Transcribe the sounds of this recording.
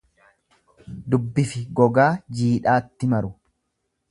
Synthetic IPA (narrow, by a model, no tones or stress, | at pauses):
d̪ʊbːɪfɪɡɔɡaːd͡ʒiːᶑaːt̪ːɪmɐɾʊ